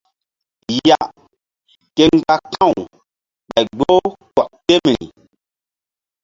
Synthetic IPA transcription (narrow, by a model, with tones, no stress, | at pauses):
ja˦˨ | ke˦ŋ˦ɡa˦kã˦˨w | ɓa˨jɡ͡bo˦kɔ˨ke˦m˨ɾḭ˨